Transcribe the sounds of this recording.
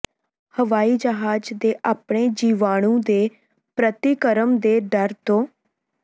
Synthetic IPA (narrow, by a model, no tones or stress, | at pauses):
həʋaːiːd͡ʒəɦaːd͡ʒd̪eːʔaːpɳ̃eːd͡ʒiːʋaːɽ̃ũːd̪eː | pɾət̪ikəɾəmd̪eːɖəɾt̪õː